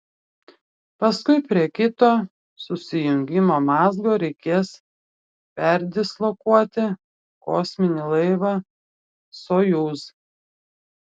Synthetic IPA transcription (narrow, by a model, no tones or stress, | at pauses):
pɐskʊɪpʲɾʲiɛkʲɪt̪oː | sʊsʲɪjʊŋʲɡʲɪmoːmɑːzɡoːɾʲɛɪkʲeːs | pʲɛɾʲd̪ʲɪslˠokuɔt̪ʲɪ | koːsʲmʲɪnʲiːlˠɐɪʋɑ | soːjuːs